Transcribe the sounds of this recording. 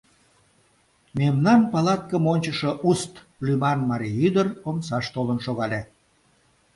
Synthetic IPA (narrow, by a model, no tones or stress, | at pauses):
memnɑnpɑlɑt̪̚kəmonʲt͡ɕəʃoʔust̪ | lymɑnmɑɾijyd̪əromsɑʃt̪olənʃoɣɑlʲe